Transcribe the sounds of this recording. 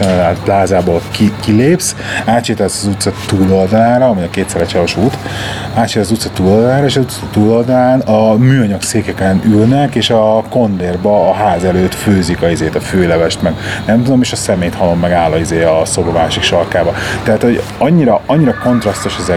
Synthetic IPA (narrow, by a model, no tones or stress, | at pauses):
ɛnːt̪plaːzaːbolkikileːps | aːt̪t͡ʃeːt̪ɛlsɒzut̪sɒt̪uːlo̞ld̪ɒlaːɾɒɒmiɒkeːt̪sɛɾɛt͡ʃɛloʃuːt̪ | aːt̪t͡ʃeːt̪ɛszut̪sɒt̪uːlo̞ld̪ɒlaːɾɒeːʃɒzut̪st̪uːlo̞ld̪ɒlaːnɒmyːɒɲɒɡseːkɛkɛnylnɛkeːʃɒko̞nd̪eːrbɒːɦaːzɛløːt̪føːzikɒizeːt̪ɒføːlɛvɛʃt̪mɛɡnɛmt̪ud̪o̞meːʃɒsɛmeːjt̪hɒlo̞mːɛɡaːlːɒizeːɒso̞bomaːʃikʃɒrkaːbɒt̪ɛɦaːt̪ho̞ɟɒɲːiɾɒɒɲːiɾɒko̞nt̪rɒst̪oʃɛzɛ